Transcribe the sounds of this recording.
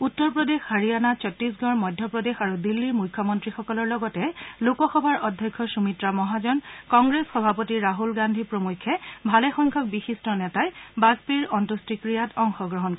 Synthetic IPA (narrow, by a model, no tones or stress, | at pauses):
utːɔɹpɹɔdexhaɹijanat͡ʃɔtɹisɡɔɹmɔjdʱjɔpɹɔdexaɹudilːiɹmukʰːɔmɔntɹixɔkɔlɔɹlɔɡɔtɛlokɔxɔbʱaɹɔdʱjɔkʰːɔsumitɹamɔɦazɔnkɔŋɡɹesxɔbʱapɔtiɹaɦulɡandʱipɹomujkʰːɛbʱalɛxɔŋkʰɔk̚bixistɔnɛtajbazpiɹɔntustikɹijatɔŋxɔɡɹɔɦɔnk